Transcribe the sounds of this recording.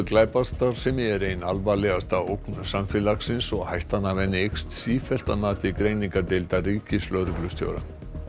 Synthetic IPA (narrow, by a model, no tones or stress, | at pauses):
klaːjpast̪aɾ̥sɛmɪɛɾejnalvalɛɣast̪aowknsamfɛlaksɪnsɔɣhajht̪anːavɛnːɪejkst̪siːfɛl̥t̪anaːt̪ɪikɾejniŋkat̪ɪlt̪ariːcɪslœːɾʏklʏst̪jo̰wɾa̰